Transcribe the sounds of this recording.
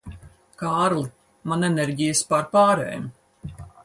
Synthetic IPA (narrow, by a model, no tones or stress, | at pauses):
kaːɾlˠi | manɛnɛɾɟʲijəspaɾpaːɾɛ̰ːmʲ